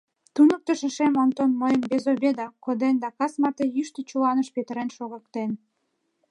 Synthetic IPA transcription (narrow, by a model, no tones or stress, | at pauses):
t̪unək̚t̪əʃə̆ʃemont̪onmojəmbezobʲed̪ɑkod̪end̪ɑkɑsmɑt̪ejyʃt̪ət͡ɕulɑnəʃpet̪ə̆ɾenʃoɣəkt̪en